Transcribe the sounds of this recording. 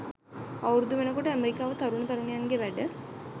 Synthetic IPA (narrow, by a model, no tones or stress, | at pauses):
awuɾud̪uʋenəkoʈəæmeɾikaːʋət̪aɾunət̪aɾunejanɡeʋæɖə